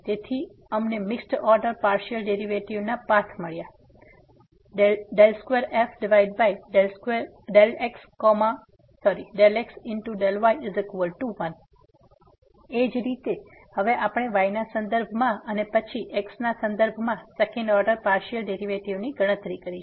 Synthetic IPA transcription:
d͡ʒ̪et̪ʰi | əmnemɪksʈɔɾɖəɾpaɾʃiəlɖeɾiʋeʈiʋnapat̪ʰməɭja | ɖelskʋeɾefɖɪʋaiɖ̚bajle | ɖelekskɔmã | sɔɾiɖeleksɪnʈuɖelʋajɪzekʋəlʈuʋən | ed͡ʒɾit̪e | həʋeʔapɽ̃eʋajnasə̃nd̪əɾbʱmãənepət͡ʃʰiʔeksnasə̃nd̪əɾbʱmãsekɛ̃ɳɖɔɾɖəɾpaɾʃiəlɖeɾiʋeʈiʋniɡəɽ̃ə̃t̪ɾikəɾiʃ

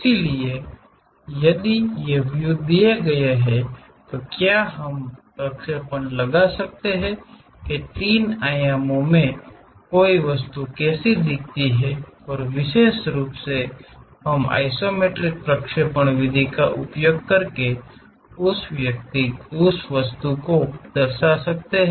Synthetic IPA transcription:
ɪsilie | jɐd̪ijeʋjʊɡd̪ijeɡɐjaɦɛ | t̪okjaːɦɐmpɾəkʃepəɳ̃lɐɡasɐk̚t̪eɦɛ̃ | ket̪iːnaːjaːmõmẽ | koːiʋɐs̬t̪ukɛːsid̪ɪk̚t̪iɦɛɔːɾʋɪʃeːʃɾuːpseɦɐma̰ːɪsoːmeːʈɾɪk̚pɾɐkʃepəɽ̃ʋɪd̪ʱikaʔʊ̰pjoɡkɐɾke | ʊsʋjɐk̚t̪iʊsʋɐst̪ukod̪̥ɐɾsasɐk̚t̪eɦɛ

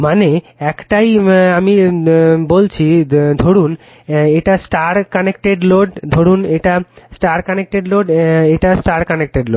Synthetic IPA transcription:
mane | ɛkʈajamibolt͡ɕʰid̪ʱoɽun | eʈasʈaɾkanek̚ʈeɖloɖd̪ʱoɽuneʈasʈaɾkanek̚ʈeɖloɖeʈasʈaɾkanek̚ʈeɖloɖ

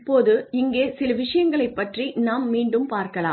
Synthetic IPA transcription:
pːoːðɯɪŋɡeːsɪlɐʋɪʂɐjɐŋɡɐɭɐɪpːɐʈrinaːmːiːɳɖɯmpaːɾkɐla̰ː

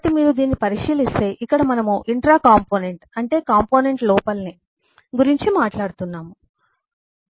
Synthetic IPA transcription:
t̪imiːɾud̪iːnːipɐɾiʂiːlist̪e̞ːʔikːɐɽɐmɐnɐmuʔiɳʈɾaːkaːmpoːneɳʈɐɳʈe̞ːkaːmpo̞ːne̞ɳʈlɔːpɐlni | ɡuɾiɲt͡ʃimaːʈlaːɽut̪unːaːmu

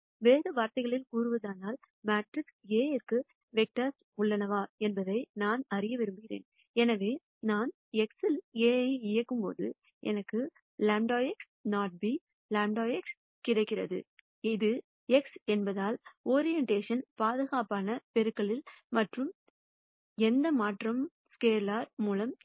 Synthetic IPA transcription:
ʋeːɾɐʋaːɾt̪ɐɪɣɐɭɪlkuːɾɯʋɐðaːnaːl | maːʈrɪkseːɛrkɯ | ʋɛk̚ʈɐs | ʊɭːɐnɐʋaːɛnbɐðɐɪnaːnɐrɪjɐʋɪɾɯmbɪɣɪɾḛːn | ɛnɐʋeː | naːn | ɛksɪleːɐɪjɐkːɯmpo̰ːðɯ̰ | ʔɛ̰nɐkːɯ | laːɳɖoːjɛks | naːʈ̚bi | laːɳɖoːjɛks | kɪɽɐɪkːɪrɐðɯ̰ | ɪðɯ | ɛksɛnbɐðaːloːɾɪjɛɳʈeːʂɐnpaːðɯɣaːpaːnɐpɛɾɯkːɐɭɪlmɐʈrɯm | ɛnd̪ɐmaːʈrɐm | skeːɾlaːɾmuːlɐm

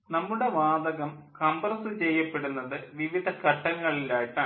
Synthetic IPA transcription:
nɐmːuɽe̞ʋaːd̪ɐɣɐmkɐmbrɐsɨt͡ɕe̞jːɐpːe̞ɽunːɐðɨʋiʋid̪ʱɐkɐʈːɐŋːɐɭilaːjiʈːaː

